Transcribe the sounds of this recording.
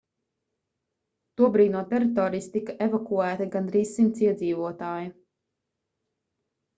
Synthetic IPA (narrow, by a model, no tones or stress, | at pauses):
t̪uɔbɾiːd̪nuɔt̪ɛɾit̪ɔːɾiːst̪ikaʔevakuæːt̪ɐɡand̪ɾiːssːint̪siɛd̪ziːvuɔt̪aːju